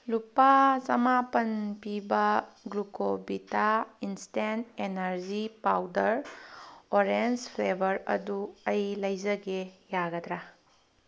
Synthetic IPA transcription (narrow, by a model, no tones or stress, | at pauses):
lupasɐmapɐnpibɐɡɾukobitainstentenɐɾzipawdɐɾ | oɾenspʰlebʱɐɾɐ̰duɐjlɐjzɐɡejaɡɐd̪ɾa